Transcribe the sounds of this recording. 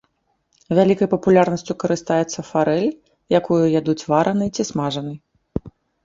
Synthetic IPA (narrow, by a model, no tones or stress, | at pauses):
vʲalʲikɐjpɐpulʲarnɐsʲt͡sʲukɐɾɨst̪ajɛt̪sːɐfaɾɛlʲ | jakujujad̪ut͡sʲvaɾʔɐnɨjt͡sʲismaʐɐnɨj